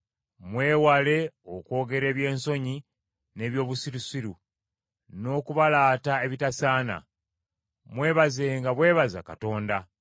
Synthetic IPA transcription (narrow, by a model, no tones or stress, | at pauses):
mwe̞ːwale̞oko̞ːɡe̞ɾe̞ːβje̞ːnso̞ɲi | ne̞ːβjo̞ːβusiɾusiɾu | no̞ːkuβalaːtaeβitasaːna̰ | mwe̞ːβaze̞ːŋɡaβwe̞ːβaza̰kato̞ːnda